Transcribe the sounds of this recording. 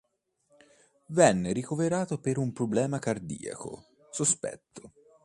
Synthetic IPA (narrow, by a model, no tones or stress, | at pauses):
vɛnːeɾikoveɾaːt̪opeɾumpɾoblɛːmakard̪ḭːa̰ko̰ | sospɛ̰t̪ːo